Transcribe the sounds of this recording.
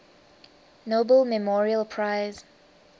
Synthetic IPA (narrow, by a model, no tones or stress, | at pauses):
nobəlmɛmɔɹiəlpʰɹaɪz